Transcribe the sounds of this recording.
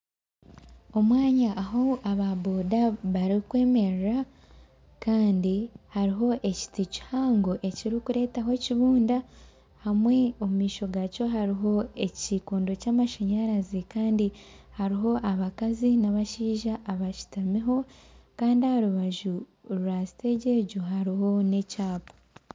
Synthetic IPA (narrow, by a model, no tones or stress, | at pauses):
o̞mwaːɲaʔːɦo̞aβaboːdaβaɾikweːme̞ɾɾa | kaːndihaɾiɦo̞ʔe̞ci̥tici̥haːŋɡoʔe̞ciɾikuɾe̞ːtaɦo̞ciβuːnda | hamwe̞o̞mumiːʃo̞ɡaco̞ɦaɾiɦo̞e̞cikuːndo̞caːmaʃaɲaɾazikaːndihaɾiɦo̞ʔaβakazinaβaʃiːʒaʔːβaʃi̥tamiɦo̞kaːndiahaɾuβaʒu | ɾɾasi̥te̞ɟe̞ɟuɦaɾiɦo̞ne̞caːpo̥